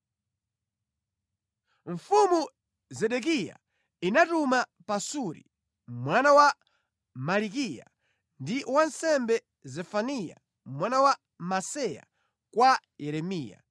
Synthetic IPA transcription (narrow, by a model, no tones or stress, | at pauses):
ɱ̩fumu | zɛɗɛk̬ija̰ | inatumapasuɾḭ | mwanawa | malikija̰ | ndiwansɛmbɛ | zɛfanija̰ | mwanawa | masɛja̰ | kwajɛɾɛmiːja̰